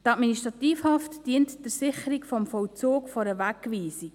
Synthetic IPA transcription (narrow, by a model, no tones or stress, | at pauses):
tɑtminiʃtɾɑtiːfhɑftd̥iəntd̥ɪɾsɪχəɾikfɔmfɔwt͡soːkfɔɾəʋækːʋiːsi